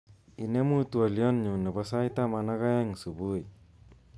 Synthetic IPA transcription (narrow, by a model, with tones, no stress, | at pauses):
i˨ne˦mu˦tua˨lijɔ˦nɲu˨nə˨basa˦jt̪a˦mana˦ɣa˦ja˦ŋsu˨bu˦j